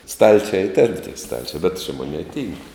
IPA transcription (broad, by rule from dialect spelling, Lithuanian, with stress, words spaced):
ˈstɐlʲt͡ʃʲɛ iː tʲɛn tʲiɛ ˈstɐlʲt͡ʃʲɛ bʲɛt t͡ʃʲɛ ˈmoːˌnʲeːɪ ˈtʲiːŋk